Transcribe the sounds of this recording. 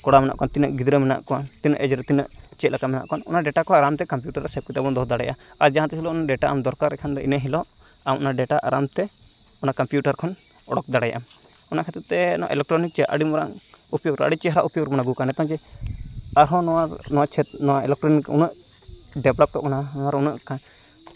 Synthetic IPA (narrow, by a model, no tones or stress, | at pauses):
kɔɽamɛna̰ʔkɔant̪inəʔɡid̪ɾəmɛna̰ʔkɔant̪inəʔɛd͡ʒɾɛt̪inəʔ | t͡ʃɛt̪lakamɛna̰ʔkɔnɔ̰naɖɛʈakɔaaɾamt̪ɛkamp̬juʈaɾtɛsɛp̚kit̪abɔnd̪ɔd̪aɽajʔa | aɾd͡ʒaɦãt̪ɛhilɔɔnaʔɖɛʈaʔamd̪ɔɾkaɾːɛkʰand̪ɔinəɦilɔʔ | amɔnaɖɛʈaʔaɾamt̪ɛ | ɔnakampjuʈaɾkʰɔn | ɔɽɔk̚d̪aɽaja̰ʔam | ɔnakʰɛt̪ut̪ːɛnɔa̰ʔɛlɛk̚ʈɾɔnik̚t͡ʃɛʔa̰ɽimɔɾa̰ŋ | upjoɾa̰ɖit͡ʃɛɦɾa̰ʔupjoɾmɔnaɡukanɛt̪ɔ̃ŋd͡ʒɛ | aɾɦɔ̃nɔa | nɔwat͡ʃʰɛt̪̚nɔwaɛlɛk̚ʈɾɔnikṵnəʔ | ɖɛblɔp̚kɔmɔnaɔaɾunəʔkʰan